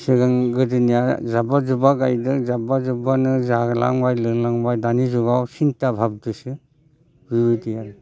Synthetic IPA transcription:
sɯɡaŋɡɯdinijazabazubaɡajdɯzabazubanɯzaɡla̰ŋbajlɯlaŋbajdanizɔɡawsintabʱab̚dɯsɯ | bibidijan

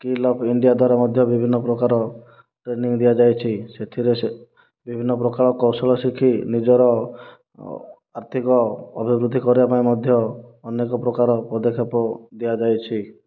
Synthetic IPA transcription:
kilɔbʰʱiɳɖijad̪waɾamɔd̪ʱjɔbibʱinːɔpɾɔkaɾɔ | ʈɾeniŋd̪iad͡ʒajt͡ʃʰiset̪ʰiɾese | bibʱinːɔp̬ɾɔkaɭɔkɔwsɔlɔsikʰinid͡ʒɔɾɔ | aɾt̪ʰikɔɔbʱibɾud̪ʱːikɔɾibapaĩmɔd̪ʱjɔːnekɔpɾɔkaɾɔpɔd̪ekʰepɔd̪iad͡ʒajt͡ʃʰi

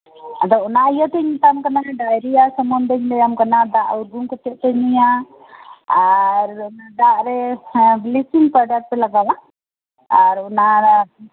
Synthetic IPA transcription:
ad̪ɔʔɔnaijat̪ɛɲit̪amkanaɛɖajɾijasəmɔnd̪ɛɲlɛjamkanad̪aʔuɾɡuŋkɔt̪ɛʔt̪ɛɲija | aɾd̪aʔɾɛblisiŋpəɖat̪̚pɛlaɡawa | aɾɔna

